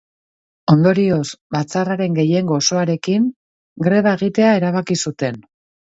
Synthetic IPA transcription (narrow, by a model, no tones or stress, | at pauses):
o̞nd̪o̞ɾio̞sbat͡saraɾe̞ŋɡe̞je̞ŋɡo̞ːso̞aɾe̞kiŋ | ɡɾe̞βae̞ɣ̞it̪e̞ae̞ɾaβ̞akisut̪e̞n